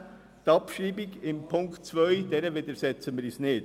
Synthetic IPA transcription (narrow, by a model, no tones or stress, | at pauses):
t̪ɑpʃiːbɪɡɪmpʰʊŋktt͡svœʏd̥̪ɛːɾəʋɪd̪əɾsɛt͡sənmɪːɾisneːd